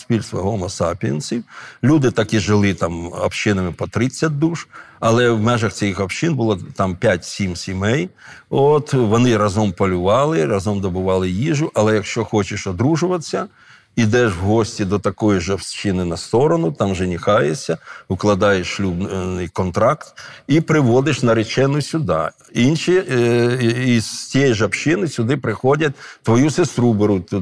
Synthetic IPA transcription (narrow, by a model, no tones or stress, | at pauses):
spʲilʲst̪ʋɐɦɔlˠmɔsɑpʲiɐnsʲiwlʲud̪ɪt̪ɑkiʒɪlˠɪt̪ɑmɐ̰pʃɪnɐmɪpɔt̪ɾɪt͡sʲːɐt̚ʲd̪uʃɐlˠɛʋmɛʒɐxt͡sʲɛjixɐpʃɪnbʊlˠɔt̪ɑmpʲjatʲsʲimsʲimɛj | ot̪ʋɔnɪɾɐzɔmpɔlʲʊʋɑlˠɪrɐzɔmd̪ɔbʊʋɑlˠɪjiʒʊʔɐlˠɛjɐkʃt͡ʃɔxɔt͡ʃɪʃɔd̪ɾuʒʊʋɐt͡sʲːɐ | id̪ɛʃwɦɔsʲtʲid̪ɔt̪ɐkɔjiʒɐwt͡ʃɪnɪnɐst̪ɔɾɔnʊt̪ɑmʒɛnʲixɑjesʲɐʊklˠɐd̪ɑjeʃʃlʲubnɪjkɔnt̪ɾɑkt̪ipɾɪʋɔd̪ɪʃnɐɾɪt͡ʃɛnʊsʲʊd̪ɑ̰ | inʃi | istʲiɛjiʒɐwt͡ʃɪnɪsʲʊd̪ɪpɾɪxɔdʲɐt̚ʲt̪ʋɔjusest̪ɾubeɾʊt̪